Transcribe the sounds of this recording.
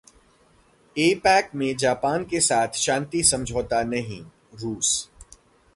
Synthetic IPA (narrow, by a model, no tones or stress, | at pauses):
eːpɛːkmẽd͡ʒaːpaːnkesaːt̪ʰʃãːnt̪isɐ̃md͡ʒʱoːt̪anɐɦḭ̃ | ɾuːs